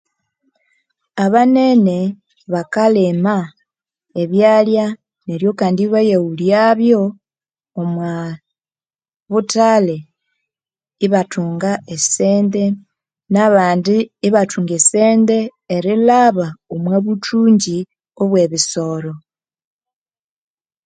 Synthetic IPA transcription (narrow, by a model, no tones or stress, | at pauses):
aβane̞ne | βakalema | eβjalja | neɾjo̞kaːndiβajeuljaβjo̞ː | mwa | βutale̞ | iβatuːŋɡaeseːnde | naβaːndiːβatuːŋɡeseːndeːɾilaβaomweβutuːɲɟi | oβwe̞βiso̞ɾo̞